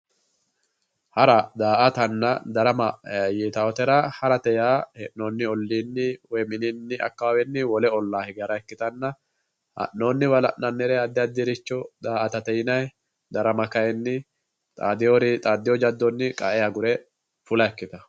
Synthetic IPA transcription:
hɐɾɐd̪aːʔɐt̪ɐnːɐd̪ɐɾɐmɐjɛːt̪ɐwɔt̪ɛɾɐhɐɾɐt̪ɛjaːhɛnːoːnːɪɔlːiːnːɪwɔjmɪninːɪʔɐ̰kːawɛnːɪwɔlɛɔlːaːhɪɡɛɾɐɛkːɪt̪ɐnːɐ | hɐ̰ʔːoːnːɪwɐlɐ̰nːɐnːɛɾɛɐd̪ːɪɐd̪ːɪɾɪt͡ʃːɔd̪aːʔɐt̪ɐt̪ɛjɪnɐj | d̪ɐɾɐmɐkɐjɛnːɪ | t̪ʼa̰ːd̪ɪjoɾɪt̪ʼaːd̪ːɪjɔd͡ʒɐd̪ːɔnːɪkʼɐʔɛjaɡʊɾɛ | fʊlɐɛkːɪt̪ɐ

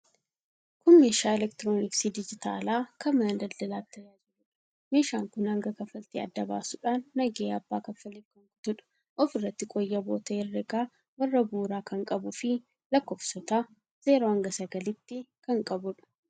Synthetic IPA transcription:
kʊmːeːʃaːɛlɛkt̪ɪɾoːnɪksid̪ɪd͡ʒɪt̪a̰ːlaːkɐmɐɐnd̪ɐld̪ɐlaːt̪ːɐjaːd͡ʒɪɾʊᶑɐ | me̞ːʃaːŋkʊnhɐŋɡɐkɐfːɐlt̪eɐ̰d̪ːɐba̰ːsʊᶑaːnːɐɡeːɐbːaːkɐfːɐleːfkɐŋkʊ̥t̪ʊᶑɐ̥ | ʔɔfɪrːɐt̪ːɪkʼɔjːɐbo̞̰ːt̪ɐːrːɛɡaː | wɐrːɐbuːɾaːkɐŋkʼɐbʊfɪ | lɐkːɔːfsɔt̪aː | z̥e̞ːɾoːhɐŋɡɐsɐɡɐlɪt̪ːɪkɐŋkʼɐbʊᶑɐ̥

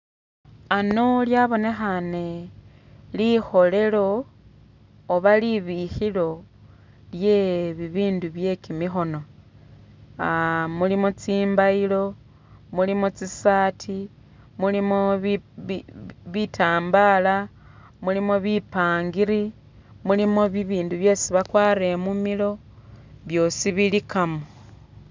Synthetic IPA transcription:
ano̞ljaβo̞ne̞xane̞ | lixo̞le̞lo̞ | βaliβixilo̞ | lje̞βiβiːnduβje̞kimixo̞no̞ | mulimot͡siːmbailo̞ | mulimot͡sisaːtʰi | mulimo | βitʰaːmbala | mulimoβipaːŋɡiɾi | mulimoβiβiːnduβjo̞siβakwaːɾemumilo̞ | βjo̞ːsiβilikamo

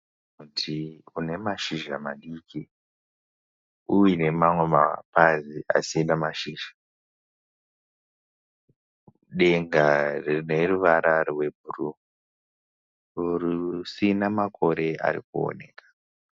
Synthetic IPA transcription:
utʰiune̞maʃiʒamaɗiːki | uwine̞mamwe̞ma̰paziʔa̰sinamaʃiːʒa | ɗe̞ŋɡarne̞ruʋaɾarwe̞bʱuru | urusinamakʰo̞ɾe̞a̰ɾikuo̰ne̞̰ːkḁ

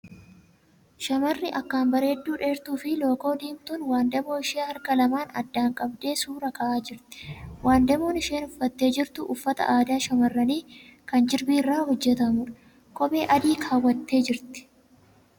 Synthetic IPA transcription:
ʃɐmɐrːɪʔɐkːaːnbɐɾe̞ːd̪ːuːᶑeːɾt̪uːfɪlo̞ːko̞ːd̪iːmt̪uːnwaːnd̪ɛmo̞ːɪʃeːhɐɾkɐlɐmaːnɐ̰d̪ːaːŋkʼɐbd̪e̞ːsuːɾɐkɐʔaːd͡ʒɪɾt̪ɪ̥waːnd̪ɐmo̞ːnɪʃe̞ːnʊfːɐt̪ːe̞ːd͡ʒɪɾt̪ʊʔʊfːɐt̪ɐ̰ʔaːd̪aːʃɐmɐrːɐniːkɐnd͡ʒɪɾbiːrːaːhɔd͡ʒːɛt̪ɐmʊᶑɐ̥ | kʼɔbe̞ːʔɐd̪iːkʰaːwːɐt̪ːe̞ːd͡ʒɪɾt̪ɪ̥

